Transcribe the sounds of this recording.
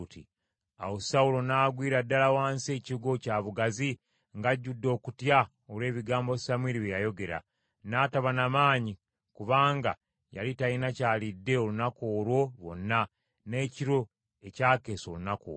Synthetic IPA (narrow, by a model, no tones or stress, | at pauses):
ti | a̰wosaulo̞naːɡwiːɾadːalawaːnse̞ːciuɡo̞caːβuɡazi | ŋɡaɟːudːo̞ːkutja | olwe̞ːβiɡaːmbosamwiːɾiβejajo̞ɡe̞ɾa̰ | naːtaβanamaːɲi | kuβaːŋɡa̰ | ja̰litainacaːlidːe̞olunakoːɾwo̞βo̞̰nːa | ne̞ːciɾo̞ | e̞caːke̞ːso̞̰lunako̰